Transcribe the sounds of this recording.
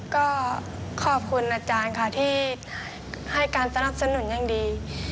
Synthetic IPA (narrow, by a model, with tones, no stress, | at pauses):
kɔː˧˥˩ | kʰɔː˧˩p̚kʰu˧nʔaː˧˩t͡ɕaː˧nkʰa˧˩t̪ʰiː˧˥˩ | ha˧˥˩jkaː˧nsa˧na˧˩p̚sa˧nu˨˩˦nɲa˧˩˨ŋdiː˨˧